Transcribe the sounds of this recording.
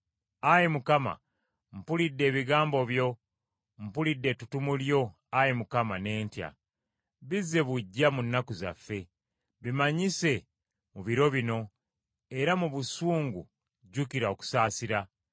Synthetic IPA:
ajemukama̰ | m̩pulidːe̞ːβiɡaːmbo̞βjo̞ | m̩pulidːe̞tutumuljo̞ | ajemukamane̞ːntja̰ | βizːe̞βuɟːamunːakuza̰fːe̞ | βimaɲise̞ | muβiɾo̞βino̞ | e̞ɾamuβusuːŋɡu | ɟukiɾao̞ku̥saːsiɾa

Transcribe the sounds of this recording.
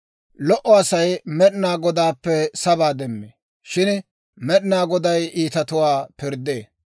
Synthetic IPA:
lɔʔɔɐsɐjmɛɗɪnaːɡɔd̪aːpːɛsɐbaːd̪ɛmːeː | ʃɪn | mɛɗɪnaːɡɔd̪ɐjiːt̪ɐt̪ʊwaːpɪɾd̪eː

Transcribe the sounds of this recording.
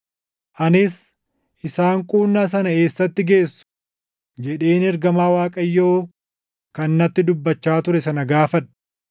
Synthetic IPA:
ʔɐnɪs | ʔɪsaːŋkʼuːnːaːs̬ɐnɐeːsːɐt̪ːɪɡe̞ːsːʊ̥ | d͡ʒɛᶑe̞ːnɛɾɡɐmaːwaːkʼɐjːoː | kɐnːɐt̪ːɪd̪ʊbːɐt͡ʃːaːt̪ʊɾɛsɐnɐɡaːfɐᶑɐ

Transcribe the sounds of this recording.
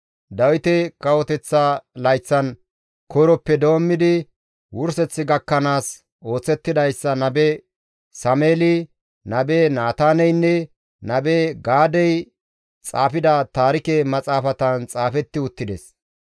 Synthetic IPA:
d̪ɐwɪt̪ɛkʼɐwɔt̪ɛt͡sːɐlɐjt͡sːɐn | kʰɔɾɔpːɛd̪o̞ːmːɪd̪ɪ | wʊɾsɛt͡sːɪɡɐkːɐnaːs | o̞ːt͡sːɛt̪ːɪd̪ɐjsːɐnɐbɛ | sɐmeːlɪ | nɐbenaːt̪aːnɛjnːɛ | nɐbeɡaːd̪ɛj | t͡sʼaːfɪd̪ɐt̪aːɾɪkɛmɐt͡sʼaːfɐt̪ɐnt͡sʼaːfɛt̪ːɪʊt̪ːɪd̪ɛs

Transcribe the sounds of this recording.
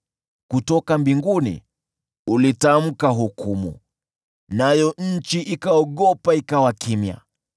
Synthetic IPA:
kutɔkambiŋɡunḭ | ulitam̩kaɦukumṵ | najɔɲ̩t͡ʃiʔikaɔɠɔpaikawakimja̰

